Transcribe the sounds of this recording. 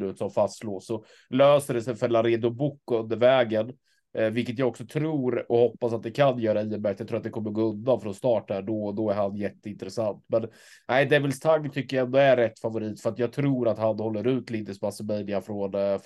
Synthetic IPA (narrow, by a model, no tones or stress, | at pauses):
ʉ̟ːt̪sɔmfast̪sloːsɔ | løːsəɖɛsɛjfœɾlaɾeːd̪ʊbʊkːʊɵnd̪əɾvɛːɡən | vɪlkːət̪̬jaːɡɔksɔt̪ʰɾuːɾɔhɔpːasat̪̚d̪ɛkʰanjœːɾaiːəmæɾk̪jaɡt̪ʰɾuːat̪d̪ɛkʰɔmːəɾɡoːɵnd̪anfɾɔnst̪ɑːʈhæːɖɔd̪ɔæɾhanjɛt̪ːəɪnt̪ɾɛsant̪mɛn | æɪd̪ɛvɪlst̪ʰaŋːt̪ʰʏkːəjaɛnd̪ɔæːɛt̪ːfavʊɾiːt̪fœɾat̪jɑːɡ̚t̪ʰɾuːɾat̪hanhɔlːəɾʉ̟ːt̪lɪnd̪əsbasəmɛjnɪafɾɔn